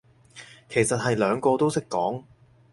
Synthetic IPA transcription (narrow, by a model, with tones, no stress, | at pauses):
kʰe˨˩jsɐ˨t̚hɐ˨jlœː˨˧ŋkɔː˧t̪o˥wsɪ˥kːɔː˨˥ŋ